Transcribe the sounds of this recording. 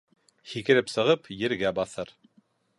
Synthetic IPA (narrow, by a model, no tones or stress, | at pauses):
hikɘ̆ɾɘpsɤ̆ʁɤpjɘ̆ɾɡæbɑθɤɾ